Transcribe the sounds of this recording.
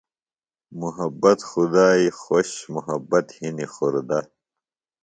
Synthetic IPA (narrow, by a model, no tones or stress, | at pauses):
muɦɐbːɐt̪xud̪aːixoɕmuɦɐbːɐt̪hinixoɾd̪a